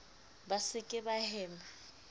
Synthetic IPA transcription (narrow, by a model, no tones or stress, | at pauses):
basɪkʼɪbahɛːma